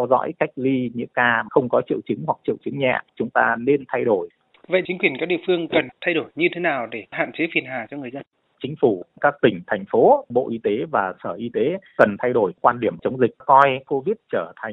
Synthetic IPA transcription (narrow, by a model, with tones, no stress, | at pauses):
ɛ˧wzɔ̰˧˥jka˦˥jk̟̚li˧ɲɨ̰˧˥kaː˧xə˧wŋ͡mkɔ˨˦t͡ɕḭ˧əwt͡ɕɨ˨˦ŋɦwa˨˩k̚t͡ɕḭ˧˨wt͡ɕɨ˨˦ŋɲɛ̰˧˨t͡ɕʊ˨˦ŋ͡mt̪a̰ː˧ne˧nt̪ʰa˧jɗo˧˩j | və̰˧˨ʔt͡ɕi˨˦ŋkwi˨˩ənkaː˦˥k̚ɗḭ˧˨fɨ˧əŋkə˨˩nt̪ʰa˧jɗo˧˩jɲɨ˧t̪ʰe˨˦naː˨˩wɗe˧˩ha̰ː˧˨nt͡ɕe˨˦fi˧˩ənɦaː˨˩t͡ɕɔ˧ŋɨ˨˩əjzə˧n | t͡ɕŋ̟fu˧˩kaː˦˥k̚t̪ï˧˩ŋ̟t̪ʰɛ˨˩jŋ̟fo˨˦ɓo̰˧˨ʔi˧t̪e˨˦vaː˨˩səː˧˩ʔi˧t̪e˨˦kə˨˩nt̪ʰa˧jɗo˧˩jkwaː˧nɗi˧˩əmt͡ɕə˨˦wŋ͡mzï˨˩k̟̚kɔ˧jko˧vi˦˥t̚t͡ɕəː˧˩t̪ʰa˨˩ŋ̟